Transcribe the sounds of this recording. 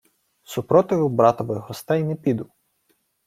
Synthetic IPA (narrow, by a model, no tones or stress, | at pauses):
supɾɔt̪ɪʋʊbɾɑt̪ɔʋɪjɦɔst̪ɛjnɛpʲid̪ʊ